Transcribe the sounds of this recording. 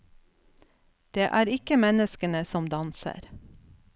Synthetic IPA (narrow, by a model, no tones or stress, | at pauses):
d̪̥eːʔæːɾɪkəmɛnəskənəsɔmd̪ɑnsə̰ɾ